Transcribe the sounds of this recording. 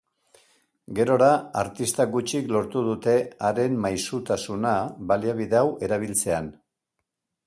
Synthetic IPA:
ɡe̞ɾo̞ɾaaɾt̪ist̪aɡut͡ʃiklo̞ɾt̪uð̞ut̪e̞aɾe̞mmajsut̪asunaβaliaβ̞iðe̞awe̞ɾaβ̞ilt͡se̞an

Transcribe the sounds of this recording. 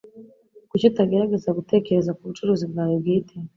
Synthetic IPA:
kucitaɡeɾaɡe̞zaɡute̞ːce̞ɾe̞zakuβut͡ʃuɾuːzibɡaːjob̚ɡiːtʰe

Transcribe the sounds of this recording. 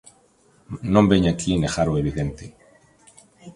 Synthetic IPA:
nõmbeɲakʰinexaɾoeβ̞iðent̪e

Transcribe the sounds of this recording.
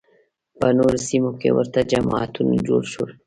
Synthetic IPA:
panoɾsimokḛwə̰ɾt̪ad͡ʒamat̪ʰund͡ʒoːɾʃul

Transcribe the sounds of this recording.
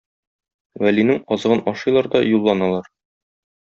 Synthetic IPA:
wælinɘŋɒzɤ̆ʁɤnɒʃɤ̆jlˠɑɾd̪ɒjulˠːɑnɑlˠɑɾ

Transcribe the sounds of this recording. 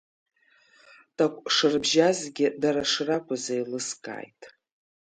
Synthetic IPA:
tʰʼakʷʼʂɨrbʒazɡʲɪdaɾaʂrakʷʰazajlɨskʼa̰ːjtʼ

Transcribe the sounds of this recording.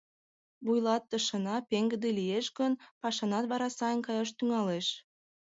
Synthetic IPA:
βujlɑt̪ːəʃə̆nɑpeŋɡə̆d̪elijeʃɡənpɑʃɑnɑt̪βɑɾɑsɑjənkɑjɑʃt̪yŋɑleʃ

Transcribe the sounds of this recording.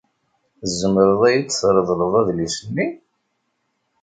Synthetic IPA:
zːəməɾəðˤæjit͡sːθɾˤəðˤləðˤæðlisənːi

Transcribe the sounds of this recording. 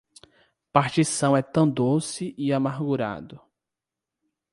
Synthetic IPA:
paɾt͡ʃisɐ̃w̃ɛt̪ɐ̃w̃d̪owsɪʔiamaɾɡuɾa̰d̪ʊ

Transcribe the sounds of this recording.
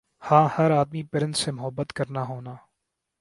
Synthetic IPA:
hãːhɐɾaːd̪mipɪɾɪ̃nt̪semʊɦəbːət̪kɐɾnaɦoːnaː

